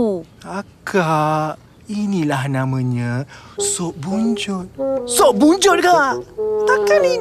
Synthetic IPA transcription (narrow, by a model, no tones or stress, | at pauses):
aka | inilahnãmə̃ɲə̃sɔʔbuɲd͡ʒʊt̪̚soʔbuɲd͡ʒʊt̪̚kat̪akani